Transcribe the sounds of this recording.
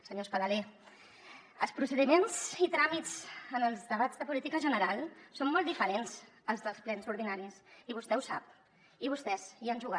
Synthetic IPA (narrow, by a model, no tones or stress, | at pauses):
səɲospəðəle | əlˠspɾusəðimenzit̪ɾamit͡sənəlˠzðəβ̞azðəpulit̪ikəʒənəɾalˠsommːɔlˠt̪ifəɾenz | əlˠzðəlˠsplɛnzuɾðinaɾisiβust̪ɛusa̰p̚ | iβ̞ust̪ɛzianʲʒuɣa